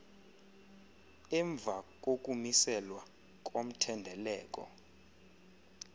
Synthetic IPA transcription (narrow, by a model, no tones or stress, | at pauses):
ɛɱb̪vʱak̬ʼok̬ʼumisɛlwa | k̬ʼom̩tʰɛndʱɛlɛːk̬ʼɔ̰